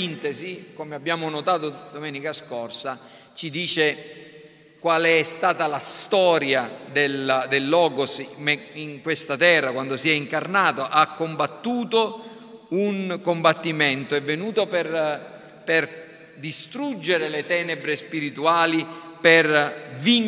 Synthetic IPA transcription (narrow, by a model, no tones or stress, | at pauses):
int̪ezikomeabːjaːmonot̪aːt̪od̪omɛːnikaskorsa | t͡ʃid̪iːt͡ʃe | kwaːleɛst̪aːt̪alast̪ɔːɾjad̪eld̪elːɔːɡosmɛiŋkwest̪at̪ɛrːakwand̪osiɛiŋkarnaːt̪oʔakːombat̪ːuːt̪o | uŋkombat̪ːiment̪oɛvːenuːt̪oper | per | d̪ist̪ɾud͡ʒːeɾelet̪ɛːnebɾespiɾit̪uaːliperviɲ